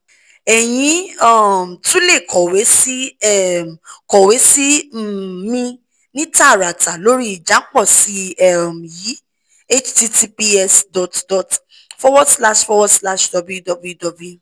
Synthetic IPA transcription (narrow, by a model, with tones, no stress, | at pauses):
ɛ˨j̃ĩ˧ɔ˦˨m˨tũ˦le˦˨kʰɔ˨we˨˦si˦ɛ˦˨kɔ˨we˨˦si˦˨ | mĩ˧ | nĩ˦ta˦˨ɾa˨ta˨lo˨˦ɾi˦i˦˨d͡ʒa˨˦k͡pɔ˦˨si˨˦ɛ˦˨m˨ji˨˦ | e˦t͡ʃti˧ti˧pi˦ɛ˧sdɔ˨tdɔ˨t | fɔ˦wɔ˦sla˦ʃfɔ˧˦wɔ˦sla˦ʃdɔ˧bu˦ju˦dɔ˧bu˦ju˦dɔ˧bu˦˨